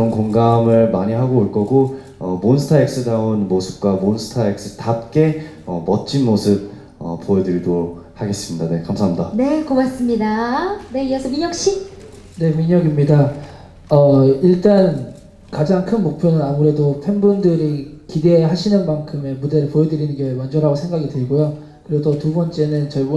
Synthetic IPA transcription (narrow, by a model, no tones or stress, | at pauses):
ʌnkoŋɡamɯɭmaɲiɦaɡoːɭk͈ʌɡo | ʌmonsʰɯ̥tʰaek̚s͈ɯdaonmosʰɯ̥p̚k͈wamonsʰɯ̥tʰaek̚s͈ɯtap̚k͈e̞ | ʌmʌt̚t͡ɕ͈ʰinmosʰɯp̚ | ʌ̰p͈ːojʌdɯɾdohaɡe̞s͈ɯmɲidane̞kamsʰaɦːmɲidane̞kobas͈ɯmɲidane̞ijʌsʰʌmiɲʌk̚ɕ͈i | ne̞miɲʌɡimɲida | ʌiɭt͈an | kad͡ʑaŋkʰɯnmok̚pʰjonɯnamuɾe̞dopʰenbundɯɾikide̞ɦaɕʰinɯnmankʰɯme̞mude̞ɾɯɭpojʌdɯɾinɯnɡjʌewand͡ʑʌɾɦaɡosʰe̞ŋɡaɡitɯɾiɡojo | kɯɾiɡodʌtubʌnt͡ɕ͈e̞nɯnt͡ɕʌɭbo